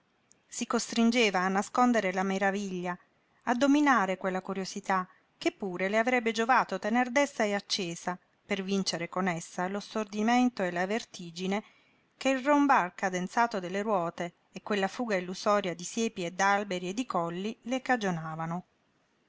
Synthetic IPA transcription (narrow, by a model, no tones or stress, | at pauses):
sikost̪ɾind͡ʒeːvaːnːaskond̪eɾelameɾaviʎːaː | d̪ːominaːɾekwelːakuɾjosit̪a | kepːuːɾeleavɾɛbːed͡ʒovaːt̪ot̪enerd̪ɛst̪aeat͡ʃːeːsa | pervint͡ʃeɾekonesːalost̪ord̪iment̪oelavert̪iːd͡ʒine | keilrombarkad̪ent̪saːt̪od̪elːeɾwɔːt̪eː | kːwelːafuːɡailːusɔːɾjad̪isjeːpied̪albeɾied̪ːikɔlːilekad͡ʒonaːvano